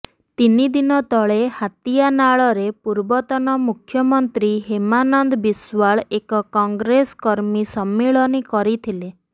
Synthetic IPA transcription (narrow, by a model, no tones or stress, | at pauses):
t̪inid̪inɔt̪ɔɭehat̪ijanaɭɔɾepuɾbɔt̪ɔnɔmukʰjɔmɔnt̪ɾiɦemanɔnd̪ɔbiswaɭekɔkɔŋɡɾeskɔɾmisɔmːiɭɔnikɔɾit̪ʰile